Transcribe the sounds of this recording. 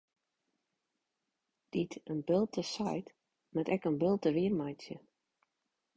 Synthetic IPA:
d̥itənbɪlˠtəsajt | mɛtɛkənbɪlˠtəʋɪərmajt͡sjə

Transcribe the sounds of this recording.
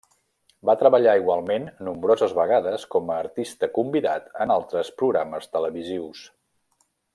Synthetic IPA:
bat̪ɾəβəʎaiɣwalˠmenːumbɾozəzβəɣaðəskɔməːɾt̪ist̪əkumbiða̰t̪ənalˠt̪ɾəspɾuɣɾaməst̪ələβiziws

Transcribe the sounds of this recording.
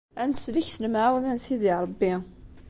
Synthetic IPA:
ænsliçsəlmʕawnænsiðiɾˤəbːi

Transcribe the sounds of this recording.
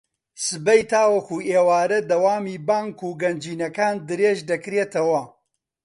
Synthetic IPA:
sɨbɐjt̪aːwɐxuːeːwaːɾɐd̪ɐwaːmiːbaːŋkuːɡɐnd͡ʒiːnɐkaːnd̪ɨɾeːʒd̪ɐkɾeːt̪ɐwɐ

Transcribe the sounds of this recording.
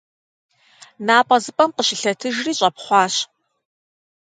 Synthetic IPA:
naːpʼɐzɨpʼɐmqəʃɪɬɐtʰɨʒriːɕʼɐpχʷɑːɕ

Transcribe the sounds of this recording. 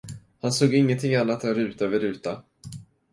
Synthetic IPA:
hansoːɡɪŋːənt̪ʰɪŋːanːat̪ɛɾʉ̟ːt̪ːvəɾʉ̟ːt̪a

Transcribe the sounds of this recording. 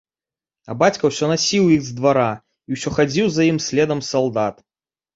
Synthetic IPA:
ɐ̰bat͡sʲkɐwsʲɔnasʲiwjiɣzd̪vaɾa | iwsʲɔxad͡zʲiwzajimsʲlʲɛd̪ɐmsalˠd̪at̪

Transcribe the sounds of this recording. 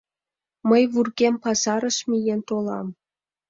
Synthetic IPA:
məjβurɣempɑzɑɾɤ̆ʃmʲijent̪olˠɑ̰m

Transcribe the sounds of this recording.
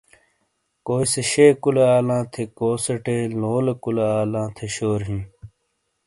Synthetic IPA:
koːiseɕeːkuleaːlãːt̪ʰekoːsɐʈeːloːlekuleaːlãːt̪ʰeɕoːɾɦĩː

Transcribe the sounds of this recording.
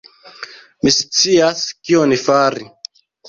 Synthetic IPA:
mist͡siaskiɔnifaɾi

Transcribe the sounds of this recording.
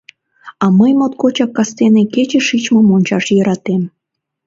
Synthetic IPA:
ɑməjmot̪̚kot͡ɕɑkːɑst̪eneket͡ɕeʃit͡ɕmɤmonʲt͡ɕɑʃjəɾɑt̪em

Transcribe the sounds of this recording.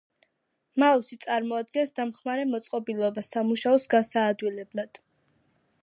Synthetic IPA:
mausit̪sʼaɾmɔad̪̚ɡɛnsd̪amχmaɾɛmɔt̪sʼqʼɔbilˠɔbasamuʃaɔsɡasaːd̪wilɛblˠad̪̥

